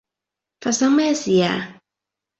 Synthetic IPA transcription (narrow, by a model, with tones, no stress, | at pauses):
fa˨sa˦mɛ˦si˨ja˨